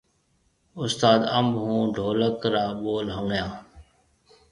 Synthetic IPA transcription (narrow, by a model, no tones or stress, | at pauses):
ʊst̪aːd̪əmbɦũːɖʱoːləkɾaːɓoːlɦəŋɡjãː